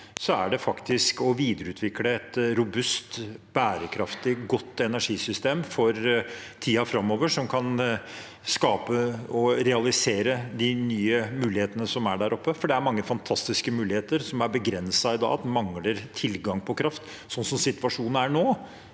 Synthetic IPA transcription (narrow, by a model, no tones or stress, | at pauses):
sɔæ̰ɖɛfɑkt̪ɪskɔʋiːd̪əɾəʉːt̪ʰʋɪkːləɛt̪ɾʊbʉst̪b̥æːɾəkʰɾɑft̪ɪɡɔt̪ːɛnæʂiːsʏst̪eːmfɔɾt̪ʰiːɑfɾɑmːoːʋəʂɔmkʰɑn | skɑːpəɔɾɛɑlɪseːɾəd̪ɪnyːəmʉːlɪheːt̪ənəsɔmæɖæɾʔɔpːəfɔɖɛæɾmɑŋːəfɑnt̪ʰɑst̪ɪskəmʉːlɪheːt̪əɾsɔmæɾbəɡɾɛnsɑɪd̪ɑ̰ːt̪mɑŋːləɾt̪ʰɪlɡɑŋpʰɔkʰɾɑft̪ | sɔnːsɔmsɪt̪ʋɑʂuːnn̩æɳoː